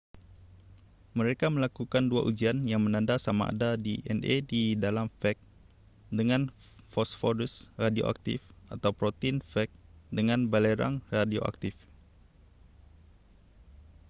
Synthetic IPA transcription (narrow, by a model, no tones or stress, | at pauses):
mə̃ɾekamə̃lakukandua̰ʔud͡ʒianjaŋmə̃nãndasamaʔa̰dadiʔɛ̰nedidalamfɛk̚ | dəŋãn | fɔsfɔdusradio̰ʔa̰k̚t̪ḭfʔat̪awpɾot̪infɛk̚dəŋãnbaleɾa̰ŋradio̰ʔa̰k̚t̪ɪf